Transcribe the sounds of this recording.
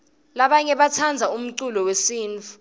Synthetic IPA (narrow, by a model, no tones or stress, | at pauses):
laɓaɲɛɓat͡sʰand͡zʱaum̩ǀulɔwesiːnt͡fʰu̥